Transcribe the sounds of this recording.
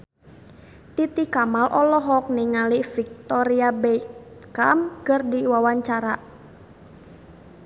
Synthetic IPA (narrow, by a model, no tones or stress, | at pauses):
t̪it̪ikamalʔɔlɔɦɔk̚niŋalifik̚t̪ɔɾiabɛkamkərdiwawaɲt͡ʃaɾaʔ